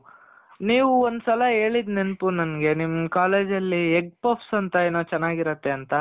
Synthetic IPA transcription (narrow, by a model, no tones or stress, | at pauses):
niːʋuond̪usɐlɐɦe̞ːɭid̪nenpunɐnɡe̞nimːkaːle̞ːd͡ʒɐlːieɡ̚poːpsɐnt̪ɐenoːt͡ʃɛnːaːɡiɾɐt̪ːe̞ɐnt̪ɐ